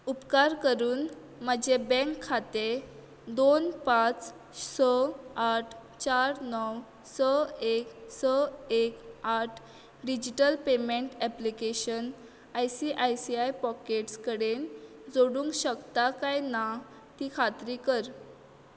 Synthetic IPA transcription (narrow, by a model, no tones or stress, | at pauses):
upkaɾkəɾuːn | məd͡ʑebɛ̃ŋkʰːat̪e | d̪onpãt͡s | səaʈʰ | t͡ɕaɾnɔw | səeksəekaʈʰ | ɖid͡ʑiʈəlpemeɳʈɛplikeɕən | ajsiʔajsiajpɔkeʈskəɽen | d͡zoɽuːŋkɕəkt̪akajna | t̪iːkʰat̪ɾiːkəɾ